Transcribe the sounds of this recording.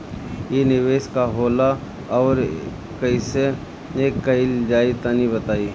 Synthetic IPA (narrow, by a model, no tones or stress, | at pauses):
jenɪʋeːʃkaɦoːla | ɔːɾ | kɐise | eːkːɐɪld͡ʒaːit̪anibɐt̪aːi